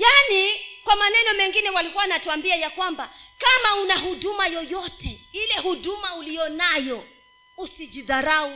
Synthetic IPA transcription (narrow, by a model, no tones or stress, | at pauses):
janikwamanɛnɔmɛŋɡinɛwalikuwanatuambiajakwambakamaunaɦuɗumajɔjɔtɛilɛhuɗumaulijɔnajɔ | usid͡ʒiðaɾau